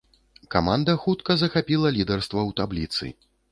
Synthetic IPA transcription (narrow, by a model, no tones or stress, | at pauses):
kamand̪ɐxut̪kɐzɐxapʲilˠɐlʲid̪ɛrst̪vɐwt̪ablʲit̪sɨ̰